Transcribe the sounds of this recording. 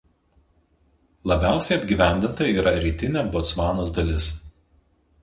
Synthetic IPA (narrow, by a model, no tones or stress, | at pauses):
lˠɐbʲæˑʊsʲɛɪɐbʲɡʲiːˑʋʲæˑnʲd̪ʲɪnt̪ɐiːɾɐɾʲiːt̪ʲɪnʲɛbɔt̪sʋɑːnoːsd̪ɐlʲɪs